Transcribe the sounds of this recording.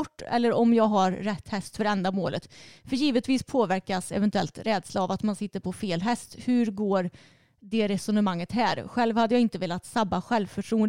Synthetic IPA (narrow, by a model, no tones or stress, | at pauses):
ɔʈːɛ̰lːəɾɔmjɑːɡɦaɾːɛt̪ːhɛst̪fœɾɛnd̪amoːlə̰t̪fœɾjiːvət̪viːspʰoːvæɾkasɛ̰vɛnt̪ɵɛ̰lt̪ɾɛːd̪slaːvat̪mansɪt̪ːəɾpʰɔfeːlɦɛst̪hʉ̟ɾɡoːɾ | ɖɛɾɛsɔnəmaŋːət̪hæːɾɧɛlvhad̪ːəjɑːɪnt̪əveːlat̪sabːaɧɛlvfœʈʰɾuːən